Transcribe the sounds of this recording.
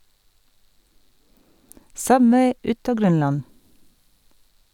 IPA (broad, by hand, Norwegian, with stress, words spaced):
ˈsʌbʋeɪ ˈʉt ˈɑː ˈɡɾœnˌlɑn